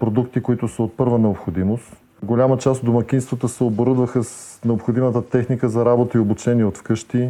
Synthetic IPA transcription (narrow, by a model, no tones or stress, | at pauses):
pɾod̪ukt̪ikoit̪ʊsəot̪̚pɤɾvənɛopxod̪imost̪ | ɡolʲamət͡ʃast̪d̪omɐk̟ʲinst̪vət̪əsɛoboɾɤd̪vəxəsnɛopxod̪imət̪ət̪ɛxnikəzɐɾabot̪əiobut͡ʃɛniɛot̪fkɤʃt̪i